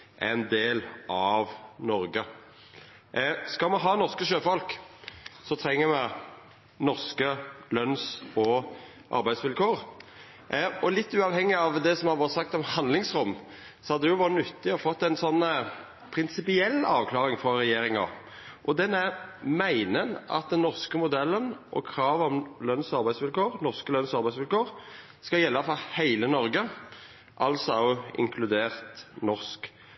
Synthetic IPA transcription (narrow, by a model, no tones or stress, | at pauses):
ʔɛ̰nd̪eːlʔɑʋnɔɾɡə | skɑlmɛɦɑːnɔʁskəʃøːfɔlk | sɔt̪ʰɾɛŋːəɾmɛ | nɔʁskəlœnsɔ | ʔɑ̰ɾbæɪd̪sʋɪlkʰoːɾ | ɔlɪt̪ːʉːɑʋhɛŋːɪɑʋd̪ɛsɔmhɑʋɑɾt̪sɑk̚t̪ɔmhɑnd̪lɪŋsɾʊmː | sɔhɑd̪ːɛjʊʋɑɾnʉt̪ːɪɔfɔt̪ːɛɪnsɔnː | pʰɾɪnsɪpɪɛlːɑ̰ːʋkʰlɑːɾɪŋfɾɔɾɛjeːɾɪŋɑ̰ | ʔɔd̪ɛnæɾmæɪnənɑ̰t̪̚d̪ɛnːɔʁskəmʊd̪ɛlːənʔɔ̰kʰɾɑːʋɔmlœnsɑɾbæɪsʋɪlkʰoːɾnɔʁskəlœnsɑɾbæɪsʋɪlkoːɾ | skɑjɛlːɑfɔhæɪlənɔɾɡə | ʔɑlsɔʊɪ̰ŋkʰlʉd̪eːʁt̪nɔʁsk